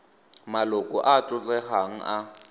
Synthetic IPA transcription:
malʊkʼɔʔat͡ɬʼʊt͡ɬʼɛχaŋ̩ʔa

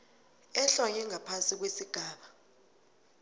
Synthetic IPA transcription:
ɛɬɔɲɛŋʱapʰansik̬wesiɡ̥ʱaːɓa

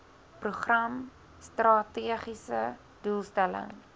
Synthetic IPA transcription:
pruχrɐm | strɑtiəχisə | d̥ulˠstælə̰ŋ

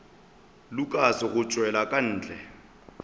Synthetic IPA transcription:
lʊkʼasɪɣʊt͡ʃʼwɛlakʼan̩ːt͡ɬʼɛ

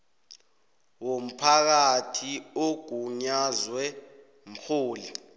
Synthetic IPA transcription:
wom̩pʰak̬atʰioɡ̥ʱuɲazwɛ | m̩xʰuːli

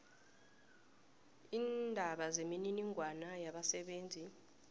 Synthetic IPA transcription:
iːndʱaɓazemininiŋɡʱwanajaɓasɛɓeːnd͡zʱi

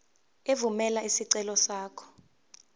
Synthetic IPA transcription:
evumɛlaisiǀɛlɔsaːkʰɔ̥

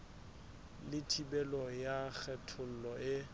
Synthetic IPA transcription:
lɪtʰibɛlɔjak͡xʰɛtʰʊl̩lɔɪ

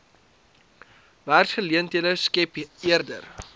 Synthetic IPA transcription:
væːrsχəliəntələskɛpiərdə̰r

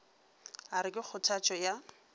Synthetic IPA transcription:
aɾɪkʼɪk͡xʰʊtʰat͡ʃʼɔja

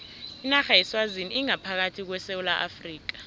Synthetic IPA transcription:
inaxajɛswaziniiŋapʰak̬atʰik̬wɛsewulaʔafriːk̬ḁ

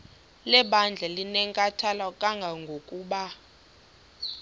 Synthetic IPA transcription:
lɛɓand͡ɮʱalinɛŋkʼatʰalakʼaŋɡʱaŋɡʱokʼuːɓa

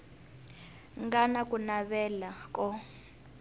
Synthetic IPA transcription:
ŋɡanakʼunaβɛlakʼɔ

